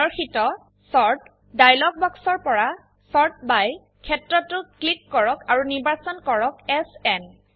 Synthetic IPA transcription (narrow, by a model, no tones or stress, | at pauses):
ɔɹxitɔ | sɔɹt | dajlɔk̚bɔksɔɹpɔɹa | sɔɹt̚baj | kʰɛtɹɔtːʊklikːɔɹɔkaɹuniɹbasɔnkɔɹɔkɛsɛn